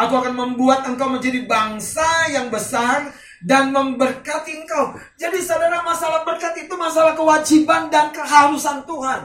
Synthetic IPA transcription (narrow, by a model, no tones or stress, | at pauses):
ʔakuakanməmbuat̪̚əŋkawməɲd͡ʒadibaŋsajaŋbəsar | danməmbərkat̪iəŋkaw | d͡ʒadisədaɾahmasalahbərkat̪it̪umasalahkəwad͡ʒibandankəɦaɾusant̪uɦan